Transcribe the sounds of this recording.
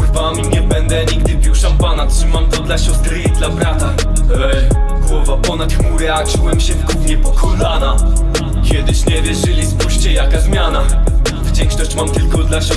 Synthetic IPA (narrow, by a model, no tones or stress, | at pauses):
xvamʲiɲɛbɛnd̪ɛɲiɡd̪ɘbʲiwʂampanatʂɘmamt̪ɔd̪laɕɔst̪ɾɘd̪labɾat̪a | ɡwɔvapɔnat̪xmuɾɛakʂɨwɛmɕɛvɡumʲjɛpɔkʰɔlana | kʲjɛd̪ɘɕɲɛvʲjɛʐɘlʲispuɕt͡ɕɛjakazmʲjanavd͡ʑɛŋkʂnɔɕt͡ɕmamt̪ɘlkɔd̪laɕɔ